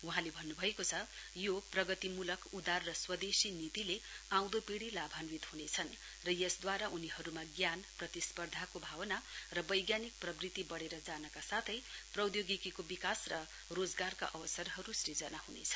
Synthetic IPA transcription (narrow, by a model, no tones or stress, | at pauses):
uɦãlebʱʌnːubʱʌekot͡sʰʌjoprʌɡʌt̪imulʌkud̪arːʌswʌd̪esinit̪ileãw̃d̪opiɽilabʱanwit̪hunet͡sʰʌn | rʌjʌsd̪waɾaʔuniɦʌɾumaɡjanprʌt̪ispʌrd̪ʱakobʱawʌnarʌbʌjɡjanik̚prʌbrit̪ibʌɽeɾʌd͡zanʌkasat̪ʰʌjprʌwd̪joɡikikobikasrʌ | rod͡zɡarka̰ʔʌwʌsʌrɦʌɾusɾid͡zʌnaɦunḛt͡sʰʌ̥